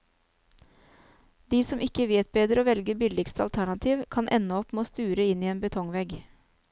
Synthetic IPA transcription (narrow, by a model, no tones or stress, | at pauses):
d̪iːsɔmʔɪkəʋeːt̪̚beːd̪əɾoːʋɛlɡəbɪlɪɡst̪əɑ̰lt̪ʰæɳɑt̪ʰiːʋkʰɑnʔɛ̰nəɔpmeoːst̪ʉːɾəɪniːeːnbət̪ʰɔŋʋɛɡ